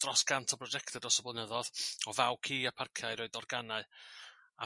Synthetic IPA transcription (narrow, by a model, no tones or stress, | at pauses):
d̥rɔsɡ̥antʰɔbrɔd͡ʒɛktʰɛdɔsəblˠənəðɔðɔvawkʰiːapʰarkʰjaɨɾɔːɨdɔrɡanaɨ | a